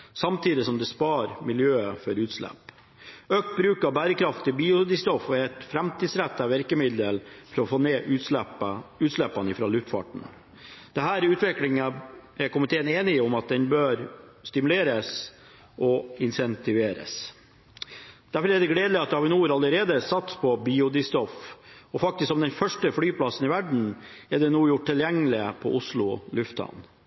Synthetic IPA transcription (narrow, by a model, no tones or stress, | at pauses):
sɑmt̪ʰiːd̪ɪsɔmd̪ɛspɑːɾmɪljøːəfɔɾʉːt̪slɛ̰pː | øːk̚t̪̚bɾʉːkɑʋbæːɾəkɾɑft̪ːɪbiːʊd̪ɪst̪ɔfɔɛt̪fɾɛmt̪iːd̪sɾæt̪ːɑʋɪɾkəmɪd̪əlfɾɔfoːneːʔʉəʉːt̪slɛpːɑnɪfɾɑːlʉft̪fɑ̰ʈɳ̩ | d̪̥ɛɦæːɾʉːt̪ʋɪklɪŋəɛɾkʊmɪt̪ʰeːəneːnɪɔmɑt̪̚d̪ɛnbøːɾst̪ɪmʉleːɾəs | ʔɔɪnsɛnt̪ɪʋeːɾə̰s | d̪̥æɾfɔɾɛd̪ɛɡleːd̪lɪɑt̪̚d̪ɛhɑɾʋɪnuːɾɑlːəɾeːd̪əsɑt̪spʰɔbiːʊd̪ɪst̪ɔfɔfɑk̚t̪ɪsksɔmd̪ɛnfœʂʈəflyːpʰlɑsːənɪʋæɖɳ̩ɛɖɛnuːjʊʈʈʰːɪljæŋːəlɪəpʰɔ̰ʔʊslʊlʉft̪ʰɑ̰n